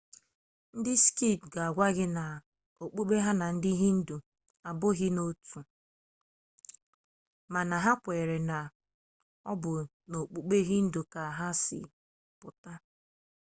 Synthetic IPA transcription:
n̩˦dɪ˦ski˦˨p̚ɡa˨a˨ɡʷa˦ɡɪ˦na˨ | o˨k͡pu˦k͡pe˦ɦa˦na˨n̩˦dɪ˦ɦi˦n̩˦du˨ | a˨bʊ˦ɣɪ˦no˦tu˨ | ma˨na˨ɦa˦kʷe˨ɾe˨na˨ | ɔ̰˦bʊ˨ | no˨k͡pu˦k͡pe˦ɦi˦n̩˦do˨ka˨ɦa˦sɪ̰˨ | pʊ˨ta˦

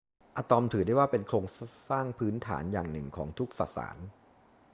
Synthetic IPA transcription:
ʔaː˧t̪ɔ˧mt̪ʰɯː˨˩˦da˥˩jwaː˥˩pe˧nkʰɾoː˧ŋsaː˥˩ŋpʰɯː˦˥nt̪ʰa̰ː˩˦njaː˨˩ŋnɯ˨˩ŋkʰɔː˩˦ŋt̪ʰu˦˥k̚sa̰˨˩sa̰ː˩˦n

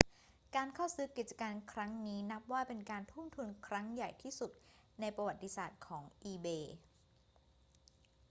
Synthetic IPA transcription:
kaː˧nkʰa˥˩wsɯː˦˥ki˨˩t̪̚t͡ɕḁ˧kaː˧nkʰɾa˦˥ŋniː˦˥na˦˥p̚waː˥˩pe˧nkaː˧nt̪ʰu˥˩mt̪ʰu˧nkʰɾa˦˥ŋja˨˩jt̪ʰiː˥˩su˨˩t̪̚ | na˧jpɾa˧wa˨˩t̪ːi˧˥saː˨˩t̪̚kʰɔː˩˦ŋʔiː˧beː˧

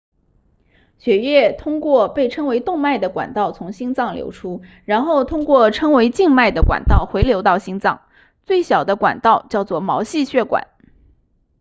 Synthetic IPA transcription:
ɕɥɛ˧˥ɥɛ˥˩t̪ʰʊ˥ŋkwɔ˥˧pe˥˩ɪʈ͡ʂʰɤ˥ŋwe˧˥ɪt̪ʊ˥˧ŋma˥˩ɪd̪ə˩kwa̰˨˩nt̪ɑ˥˩ʊt͡sʰʊ˧˥ŋɕi˥ŋt͡sɑ˥˩ŋljo̰˧˥ʊʈ͡ʂʰu˥ | ɻa˧˥nxo˥˩ʊt̪ʰʊ˥ŋkwɔ˥˩ʈ͡ʂʰɤ˥ŋwe˧˥ɪt͡ɕi˥˧ŋma˥˩ɪd̪ə˩kwa̰˨˩nt̪ɑ˥˩ʊxwe˧˥ɪljo˧˥ʊt̪ɑ˥˩ʊɕi˥ŋt͡sɑ˥˩ŋ | t͡swe˥˩ɪɕjɑ˨˩ʊd̪ə˦kwa̰˨˩nt̪ɑ˥˧ʊt͡ɕjɑ˥˧ʊt͡swɔ˥˩mɑ˧˥ʊɕi˥˧ɕɥɛ˥˩kwa̰˨˩˦n

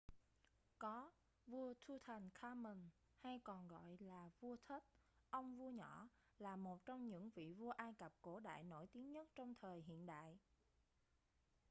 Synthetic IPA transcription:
kɔ˨˦ | vu˧ət̪ʰu˧t̪ʰa˨˩jŋ̟xʰaː˧mï˨˩ŋ | ha˧jkɔ˨˩nɣɔ̰˧˨jlaː˨˩vu˧ət̪ʰə˦˥t̚ʔə˧wŋ͡mvu˧əɲɔ˧˥ | laː˨˩mo˨˩t̚t͡ɕɔ˧wŋ͡mɲɨ̰˧˥ŋvḭ˧˨vu˧əʔaː˧jkə˨˩p̚ko˧˩ɗa̰ː˧˨jno̰˧˥jt̪i˨˦əŋɲə˦˥t̚t͡ɕɔ˧wŋ͡mt̪ʰəː˨˩jɦḭ˧˨ənɗa̰ː˧˨jʔ

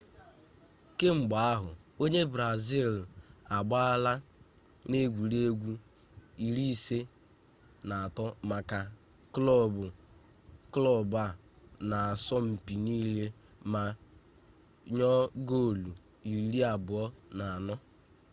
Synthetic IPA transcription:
ke˦ŋ͡m̩˨ɡ͡ba˨a˦ɦʊ̰˨o˦ɲe˦bɾa˨zi˦˨la˨ɡ͡ba˦a˦la˦ | ne˦ɡʷu˨ɾe˦ɡʷu˦ | i˨ɾi˦se˦ | na˨a˨tɔ˦ma˨ka˨ | klɔ˦˨bʊ˨ | klɔ˦ba˦˨ | na˨a˨sɔ˦m̩˨pi˨niː˦le˦ | ma˨ | ɲɔ˦ɡo˦˨lu˨ | i˨ɾi˨ɾi˦a˨bʊ˨ɔ˦na˨a˨nɔ˦

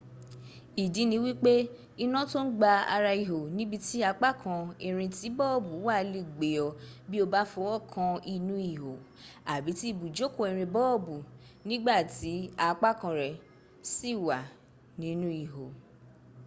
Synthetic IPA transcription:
i˨di˨˦nĩ˧˦wi˦k͡pe˦ | i˧nã˦to˦n̩˦ɡ͡ba˧a̰˧ɾa˧i˨ɦo˨nĩ˨˦bi˧ti˦a˧k͡pa˦kʰã˧ɛ˧ɾ̃ĩ˧ti˨˦bɔ˦˨bu˨˦wa˦˨˧li˦˨ɡ͡be˨ɔ˧bi˦o˧ba˦fɔ˧wɔ˦˨kʰã˧i˧nũ˦i˨ɦo˨ | a˨bi˨˦ti˦i˦˨bu˨d͡ʒo˦ko˦˨ɛ˧˨ɾ̃ĩ˧bɔ˦˨bu˨nĩ˦ɡ͡ba˦˨ti˨˦a˧k͡pa˦kã˧ɾɛ˨ | si˦˨wa˨ | nĩ˨˦nũ˦i˨ɦo˨

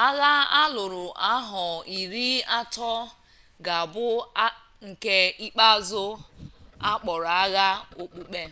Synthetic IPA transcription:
a˦ɣa˦a˦lʊ˨ɾʊ˨ʔa˦ɦɔ˨i˨ɾi˦a˦tɔ˦ | ɡa˨bʊ˦ | ŋ̩˨ke˦i˦k͡pa˦zʊ˦ | a˦k͡pɔ˨ɾa˦ɣa˦o˨k͡pu˨k͡pe˦

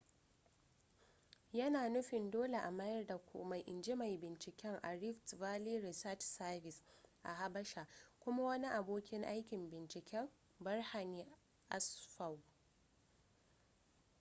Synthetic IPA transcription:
jɐ˦naː˨nʊ˦ɸɪ˨ndoː˦le˨ʔa˨ma˦jɐ˦rda˨kʷṵ˨ma˨jʔɪ˨nd͡ʒi˦ma˨jbɪ˨nt͡ʃɪ˨kʲɛ˦ŋʔa̰˨ɾɪ˦ftvaː˦liː˦ɾɪ˨sɐ˦tsɐ˦bɪ˨sʔa̰˨ha˦bɐ˦ʃa˨kʷʊ˦ma˦wɐ˦ni˦ʔa˨boː˦kʲɪ˦ŋʔa˦jkʲɪ˨mbɪ˨nt͡ʃɪ˨kʲɛ˦m | bɐ˦rha˨niː˦ | ʔa˦sɸa˨w

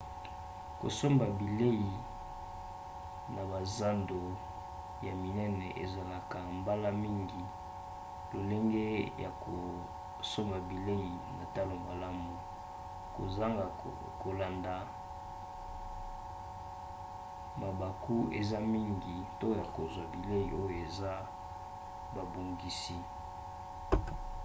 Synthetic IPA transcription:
ko̰˨so˦mba˨bi˨le˦i˨ | na˨ba˨za˦ndo˨ | ja˨mi˨nɛ˦nɛ˨ʔḛ˨za˨la˨ka˨mba˦la˦mi˦ŋɡi˨ | lo˨le˦ŋɡe˦ja˨ko˨ | so˦mba˨bi˨le˦i˨na˨ta˦lo˨ma˨la˦mu˨ | ko˨za˦ŋɡa˨ | ko˨la˨nda˨ | ma˨ba˨ku˦ḛ˨za˦mi˦ŋɡi˨to˦ja˨ko˨zwa˨bi˨le˦i˨ʔo˦jo˨e˨za˦ | ba˨bo˨ŋɡi˨si˦

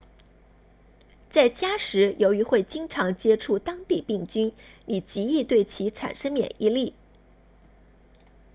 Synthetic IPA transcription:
t͡sa˥˩ɪt͡ɕja˥ʂɻ̩˧˥jo˧˥ʊy˧˥xwe˥˩ɪt͡ɕi˥ŋʈ͡ʂʰɑ˧˥ŋt͡ɕjɛ˥ʈ͡ʂʰu˥˩t̪ɑ˥ŋt̪i˥˧pi˥˩ŋt͡ɕy˥ni˨˩t͡ɕi˧˥i˥˧t̪we˥˩ɪt͡ɕʰi˧˥ʈ͡ʂʰa̰˨˩nʂə˥ŋmjɛ̰˨˩ni˥˧li˥˩

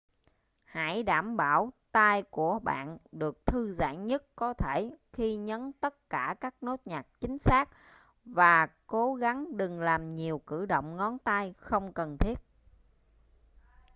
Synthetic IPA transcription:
ha̰˧˩jɗaː˧˩mɓaː˧˩wt̪aː˧jku˧˩əɓa̰ː˧˨nɗɨ˨˩ək̚t̪ʰɨ˧za̰ː˧˥ŋɲə˦˥t̚kɔ˨˦t̪ʰe˧˩xi˧ɲə˨˦nt̪ə˦˥t̚kaː˧˩kaː˦˥k̚no˦˥t̚ɲaː˨˩t̚t͡ɕï˨˦ŋ̟saː˦˥k̚ | vaː˨˩ko˨˦ɣa˨˦ŋɗɨ˨˩ŋlaː˨˩mɲi˨˩əwkɨ̰˧˩ɗo̰˧˨wŋ͡mŋɔ˨˦nt̪a˧jxə˧wŋ͡mkə˨˩nt̪ʰi˦˥ət̚

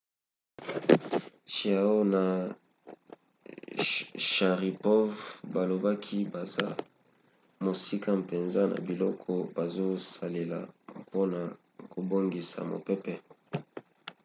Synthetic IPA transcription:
ti˨a˨o˦na˨ | ʃa˨ʁi˨pɔ˦vba˨lo˨ba˦kʰi˦ba˨za˦ | mo˨si˦ka˦mpe˨nza˦na̰˨bi˨lɔ˦kʰɔ˦ba˨zo˦sa˨le˨la̰˨po˦na˨ | ko˨bo˦ŋɡi˨sa̰˨mo̰˨pɛ˦pɛ˦

